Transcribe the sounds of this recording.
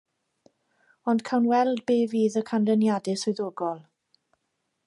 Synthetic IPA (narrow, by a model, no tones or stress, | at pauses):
ɔnd̥kʰawnwɛlˠd̚beːviːðəkʰandənjadɪsʊjðoːɡɔlˠ